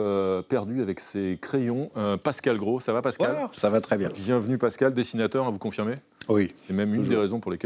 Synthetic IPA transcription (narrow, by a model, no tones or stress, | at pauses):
øpɛʁd̪yavɛksekχejɔ̃øpaskalɡʁosavapaskalsavat̪χɛbjɛ̃bjɛ̃vnypaskald̪esinat̪œʁavukɔ̃fiʁme | wisɛmɛmynd̪eʁezɔ̃puʁlekʲɛ